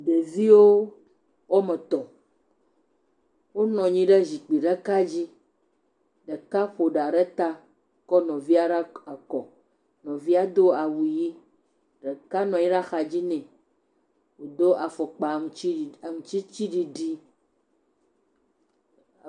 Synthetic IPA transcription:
ɖe˨vi˦wo˦ | wɔ˦mɛ̃˨t̪ɔ˨ | wo˦nɔ̃˨ɲĩ˦ɖɛ˦zi˨k͡pi˨ɖə˦ka˦d͡ʑi˦ | ɖə˨ka˦ɸo˨ɖa˨ɖɛ˦t̪a˦ | kɔ˦nɔ̃˨vi˦a˦ɖa˦a˨kɔ˨ | nɔ̃˨vi˦a˦d̪o˦a˨wu˨ji˦ | ɖə˨ka˦nɔ̃˨ji˦ɖa˦xa˨d͡ʑi˦nɛ̃˨ | wo˨d̪o˦ʔa˨fɔ˨k͡pa˨ŋũ˨˦i˦˨ŋũ˨t͡ɕi˦t͡ɕi˦ɖi˨ɖi˦

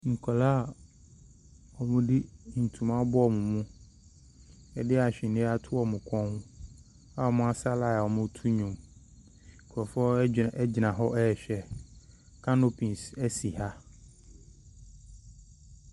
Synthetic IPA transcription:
ŋ̩˨kʰɔ˨la˦˨ | ɔ˨mʊ̃˦di˦n̩˨tʰũ˨mã˦ɔ˦bɔ˦ɔ˦˨mʊ̃˨mũ˦ | ɛ˨dɪ˦a˨ɕᶣɪ̃˨nɪ̃˦a˦tʰʊ˦ɔ˨mʊ̃˨kʰɔ̃˦hʊ̃˦ | a˦˨ɔ˨mʊ̃˦a˦sa˦la˨ɔ˨mʊ̃˦tʰu˦ɲõ˨m˨ | kʰɔ˨fɔ˦ɛ˦d͡ʑɪ˨nã˨ɦɔ˦ɛ˦ɛ˨ɕᶣɛ˨ | kʰã˦no˦pʰĩ˨n˨sɛ˦si˨ha˦

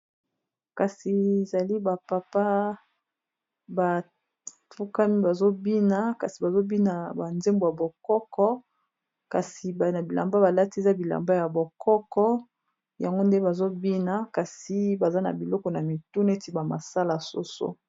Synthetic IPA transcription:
ka˨si˨e˨za˨li˦ba˨pa˨pa˦ | ba˨ | fu˦ka˦mi˦ba˨zo˦bi˦na˨ka˨si˨ba˨zo˦bi˦na˨ba˨nze˦mbo˨ja˨bo˨kɔ˦kɔ˦ | ka˨si˨ba˨na˨bi˨la̰˨mba˦ba˨la˦ti˦e˨za˦bi˨la̰˨mba˦ja˨bo˨kʰɔ˦kɔ˦ | ja˨ŋɡo˦nde˦ba˨zo˦bi˦na˨ka˨si˨ba˨za˦na̰˨bi˨lɔ˦kɔ˨na˨mi˨tu˦n˦e˦ti˨ba˨ma̰˨sa˦la˨so̰˦so̰˦

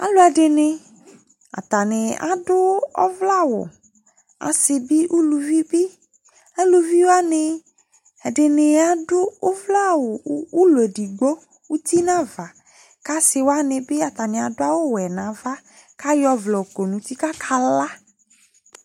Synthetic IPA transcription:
a̰˨lo˦a˨ɖe˨nẽ˨ | a̰˨t̪a˨nɪ˨a̰˨ɖʊ˦ɔ̰˦vla˦wʊ̰˨ | a̰˨sɪ˨bi˦ʔu˦lu˨vi˦bi˦ | a˦lu˨vi˦wo˦a˦ne˨ | ɛ˨ɖe˨ne˨a˨ɖʊ˦wo˦vla˦wo˨˦u˦lu˨e˨ɖi˨ɡ͡bo˦ | wu˦t̪i˦nã˦va˨ | ka˦sɪ˨wo˦a˦nẽ˨bɪ˦a˨t̪a˨nẽ˨a˨dʊ˦a˦wo˦wɛ˨nã˨va˦ | ka˦jɔ˦vlɔ˨ko˨nũ˨t̪i˦ka˦kʰa˦la˦

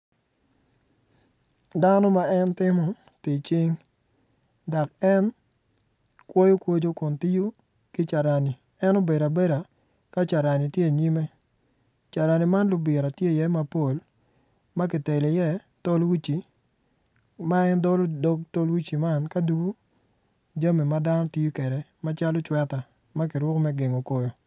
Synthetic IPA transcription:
da˦nɔ˦ma˦ɛ˦ntɪ˦mɔ˨ | tɪ˨t͡ʃɪ˦ŋ | da˨kɛ˦n | kwo˦jo˦kwo˦d͡ʒo˦kʊ˨nti˦ju˦ | kɪ˦t͡ʃa˨ɾa˨ni˨ | ɛ˦no˦be˨ɾa˨be˦ɾa˨ | ka˦t͡ʃa˨ɾa˨ni˨tje˦˨ɲi˦me˦ | t͡ʃa˨ɾa˨ni˨ma˦nlʊ˨˦bɪ˨ɾa˨tje˦˨jɛ˦ma˦po˦˨l | ma˦k̬ɪ˨te˨li˨jɛ˦ | to˦lwi˦t͡ʃi˨ | ma˦ɛ˦ndɔ˦lo˦dɔ˦k̚to˦lwi˦t͡ʃi˨ma˦nka˦du˦ɡo˦ | d͡ʒa˦me˨ma˦da˦nɔ˦ti˦ju˦ke˨ɾɛ˨ma˦t͡ʃa˦lɔ˦t͡ʃwɛ˦ta˨ | ma˦k̬ɪ˨ɾwʊ˦kmɛ˦ɡe˨ŋo˨ko˦jo˨

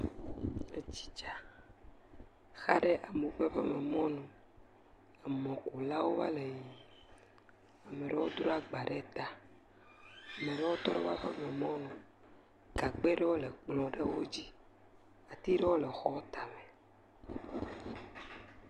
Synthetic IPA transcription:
e˦t͡ɕi̥˦t͡ʃa˨ | xa˦ɖe˦ʔa˨mu˨˦ɸe˦ɸɛ˦me˨mɔ̃˦nũ˨ | ɛ˨mɔ̃˨ku˨la˦wo˦va̰˦le˨ji˨ | a˨me˨ɖɛ˦wo˦d̪ɾo˦a˨ɡ͡ba˨ɖe˦t̪a˨ | a˨me˨ɖe˦wo˦t̪ɔ˦ɾe˦va˦ɸɛ˦me˨mɔ̃˦nũ˨ | ɡa˨k͡pe˦ɖe˦wo˦le˨k͡plɔ̃˨ɖe˦wo˦d͡ʑi˦ | a˨t̪i˦ɖɛ˦wo˦le˨xɔ˦t̪a˨me˨

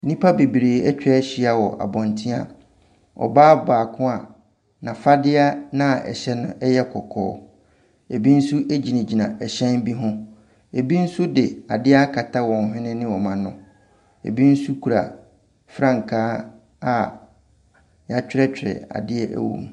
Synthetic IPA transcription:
nĩ˦pʰa˦be˨bi˨ɾeː˨ɛ˦t͡ɕᶣɾɛ˦ɕi˦a˨wɔ˨ʔa̰˨bɔ̃˨ntʰĩ˦a̰˨ | ɔ̰˨baː˦baː˨kʰʊ̃˦a˨ | nã˨fa˦dɪ˦a˦nã˦˨ʔɛ̰˨ɕɛ˦nʊ̰̃˨ʔɛ˦jɛ˦kʰɔ˨kʰɔ̰ː˨˦ | e˨bi˦n̩˦su˦ʔe˦d͡ʑi˨nã˨d͡ʑi˨nã˨ʔɛ˨ɕɛ̃˦n˦bi˦ɦʊ̃˦ | e˨bi˦n̩˦sʊ˦dɪ˨a˨dɪ˦a˦kʰa˨tʰa˦wɔ̃˨n˨ɦɪ̃˦nɪ̃˦nɪ̃˦wɔ˨mã˨nʊ̰̃˨ | ḛ˨bi˦n̩˦su˦kʰu˨ɾa̰˨ | fɾã˦ŋ̩˨kʰaː˦ | a˨ | ja˨t͡ɕᶣɾɛ˦t͡ɕᶣɾɛ̰˨a̰˨dɪ˦ɛ˦ʔæ̰˦wõ̰˨m

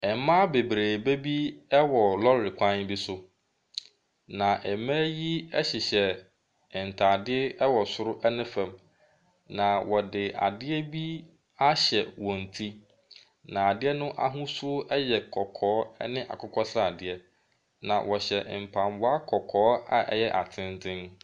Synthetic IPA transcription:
ɛ˨m˦mã˦be˨bɾeː˨be˦bi˦ɛ˦wɔ˨lɔ˦˨ɾɪ˨kʷʰã˦n˦bi˦sʊ˦ | nã˨ʔɛ˨mɛ̃˦ji˦ɛ˦ɕɪ˨ɕɛ˨ | n̩˨tʰaː˨dɪ˦ɛ˦ɛ˦wɔ˨sʊ˦ɾʊ˦ʔɛ˦nɪ̃˦fɛ̃˨m | nã˨wɔ˨dɪ˨a̰˨dɪ˦ɛ˦bi˦ | a˦ɕɛ˨wɔ̃˨n̩˨tʰi˦ | nã˨a˨dɪ˦ɛ˦nʊ̃˦ʔa̰˦ɦũ˦sʊ˦o˦ʔɛ˦jɛ˨kʰɔ˨kʰɔː˨˦ɛ˦nɪ̃˦ʔa̰˨kʰʊ˦kʰɔ˦sɾa˨dɪ˦ɛ˦ | nã̰˨wʔɔ˨ɕɛ˨ʔm̩˨pʰã˨mwɔ˦a˦kʰɔ˨kʰɔː˨˦a̰˨ʔɛ̰˦jɛ˦ʔa˨tʰɪ̃˦n˦tʰɪ̃˦n

